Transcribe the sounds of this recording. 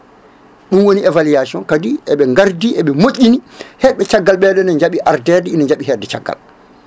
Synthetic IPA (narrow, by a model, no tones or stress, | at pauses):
ɗunwoniɛvalijasɔnkadiʔɛɓɛŋɡaɾdiʔɛɓɛmoʔʲːinihɛɓɛt͡ʃaɡːalɓɛɗɛnɛɲd͡ʒaɓiʔaɾdɛdɛinɛɲd͡ʒaɓiɦɛdɛt͡ʃaɡːa̰l